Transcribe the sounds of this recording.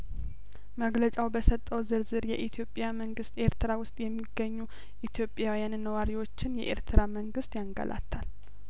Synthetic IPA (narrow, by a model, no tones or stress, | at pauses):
məɡlət͡ʃʼawbəsət̪ʼːəwzɨɾzɨɾjɛʔit̪ʰjo̞pʼjaməŋɡɨst̪ʼe̞ɾt̪ʰɨɾawʊst̪ʼjɛmːiɡːəɲːu | ʔit̪ʰjo̞pʼjawijannːəwaɾiwo̞t͡ʃːɪnjɛ̰ʔḛɾt̪ʰɨɾaməŋɡɨst̪jaŋɡə̰lʔa̰t̪ʰːal